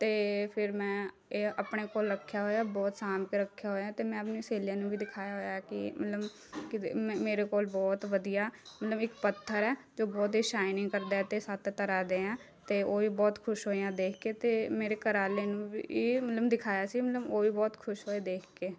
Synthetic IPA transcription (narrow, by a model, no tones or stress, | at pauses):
t̪eːpʰɪɾmɛ̃ː | eəpɳeːkoːlɾəkʰːjaːɦoːjaːbɔːt̪saːmkeɾəkʰːjaːɦoːjãːt̪eːmɛ̃ːəpniːseːljãːnũːbiːd̪ɪkʰaːjaːɦoːjaɛkɪmə̰t̪ləb | kɪ̃meːɾeːkoːlbɔːt̪ʋəd̪ijaːmət̪ləbɪkpət̪ʰːəɾɛː | d͡ʒoːbɔːt̪iːʃaːɪnĩŋkəɾd̪aːɛt̪eːsat̪ʰt̪əɾaːd̪eːãː | t̪eːoːiːbɔːt̪kʰʊʃɦoːijãːd̪eːkʰkeːt̪eːmeːɾeːkəɾaːleːnũːbḭːiːmət̪ləbd̪ɪkʰaːjaːsiːmət̪ləboːʋiːbɔːt̪kʰʊʃɦoːeːd̪eːkʰkeː